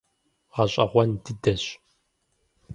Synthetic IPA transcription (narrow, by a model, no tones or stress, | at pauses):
ʁaɕʼɐ̰ʁʷɔndɨdɐɕʼ